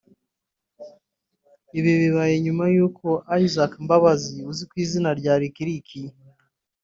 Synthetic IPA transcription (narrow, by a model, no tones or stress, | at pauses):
iβiβiβajeɲumajuːkʰo̞ʔaizakmbaβaziuzikwiːzinaɾɟaːɾikiɾikʰi